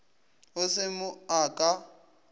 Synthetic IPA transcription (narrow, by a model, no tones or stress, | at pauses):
ʊsɪmʊakʼa